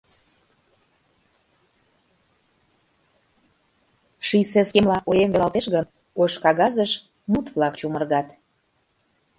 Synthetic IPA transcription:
ʃiseskemlɑʔojemvelɑlt̪eʃɣən | oʃkɑɣɑzəʃ | mut̪vlɑkt͡ɕumərɣɑt̪

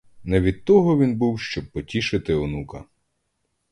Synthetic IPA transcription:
nɛʋʲid̪̚t̪ːɔɦɔʋʲinbuwʃt͡ʃɔb̚pːɔtʲiʃɪt̪ɪɔnukɐ

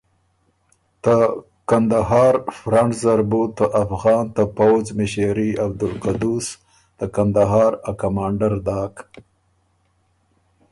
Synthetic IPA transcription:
t̪ə | kand̪aɦɑːɾfɾaɳzaɾbut̪ːəʔafɣɑːnt̪əpawzmɪʃeɾiab̚d̪ʊlqad̪us | d̪̥əkand̪aɦɑːɾakamɑːɳɖaɾd̪ɑːk

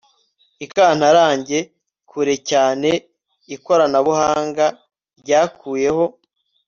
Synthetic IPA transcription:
ikaːn̥haɾaːɲɟe̞ | kʰuɾe̞caːne̞ | iko̞ɾanaβuhaːŋɡa | ɾɟaːkʰuːje̞ho̞

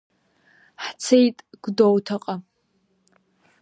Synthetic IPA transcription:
ħt͡sʰejtʼɡ̥ʷdowtʰaqʼa

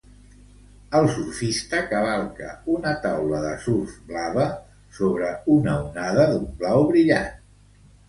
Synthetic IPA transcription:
əlˠsuɾfist̪əkəβalˠkə̰unət̪awləðəsuɾfblaβə | soβɾəunəunaðəðumblawβɾiʎat̪

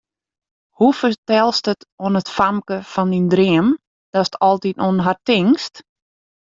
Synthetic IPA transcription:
hufətɛlˠstətoənətfamkəfɔndindriəm | d̥ɔstɔlˠtitonɦartɪŋst

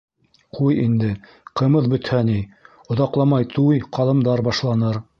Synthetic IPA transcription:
qʰujind̪ɘ | qɤ̆mɤðbɵ̆t̪hæni | ŏðɑqlˠɑmɑjt̪ʰujqɑlˠɤ̆md̪ɑɾbɑʃlˠɑnɤɾ

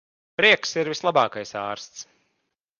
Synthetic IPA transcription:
pɾiɛksiɾvislˠabɑːkajsɑːɾst̪s

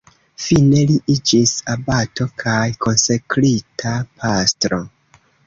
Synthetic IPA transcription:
fine̞liʔid͡ʒisabato̞kʰajko̞nsekɾitʰapʰastɾo̞

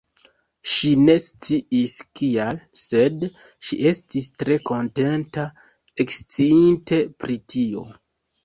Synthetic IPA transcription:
ʃine̞st͡siʔiskialse̞d | ʃiʔe̞stistɾe̞ko̞nte̞nta | ekst͡siinte̞pɾitʰio̞̰

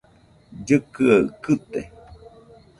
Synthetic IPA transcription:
d͡ʒɨkɨakɨt̪e

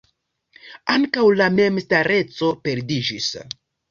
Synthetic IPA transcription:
aŋkawlame̞mstaɾe̞t͡so̞pe̞ɾdid͡ʒis

